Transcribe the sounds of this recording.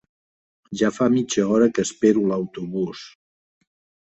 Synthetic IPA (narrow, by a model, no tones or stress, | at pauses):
ʒafamit͡ʃəɔɾəkəspeɾuləwt̪uβus